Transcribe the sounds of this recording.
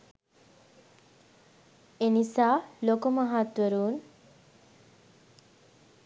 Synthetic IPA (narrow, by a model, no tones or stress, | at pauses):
enisaːlokomaɦat̪wəɾuːn